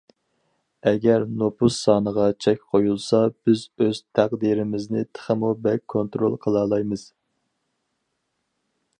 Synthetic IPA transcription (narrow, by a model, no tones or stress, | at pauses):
ɛɡʲɛɾnopʰusːɑːnəʁɑt͡ʃʰɛkʲqʰojulˠsɑb̥ɪzøz̥t̪ʰæqd̪iɾɪmɪznɪt̪ʰə̥χəmubɛkʰːont̪ɾolˠqʰəlˠɑːlˠɑjmɨz̥